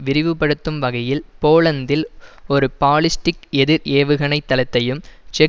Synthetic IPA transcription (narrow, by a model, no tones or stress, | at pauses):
ʋɪɾɪʋɯpːɐɽɯt̪ːɯmʋɐɣɐjɪlpoːlɐnd̪ɪlɔɾɯpaːlɪsʈɪkɛðɪɾeːʋɯɣɐɳɐɪt̪ːɐlɐt̪ːɐjɯmt͡ʃɛ